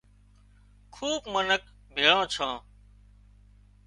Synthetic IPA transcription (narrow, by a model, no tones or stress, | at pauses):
kʰuːbmənək̚ | bʱeːɭãːt͡ʃʰãː